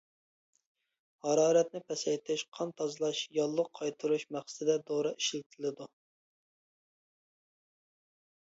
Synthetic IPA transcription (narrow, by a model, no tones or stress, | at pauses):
hɑɾɑːɾɛt̪̚nɪpʰɛsɛjt̪ʰɪʃqʰɑnt̪ʰɑzlˠɑʃjɑlˠːʊqʰːɑjt̪ʰuɾuʃmæχsɨ̥ɪd̪ɛd̪oɾɨʔiʃlɪt̪ʰɪlɪd̪u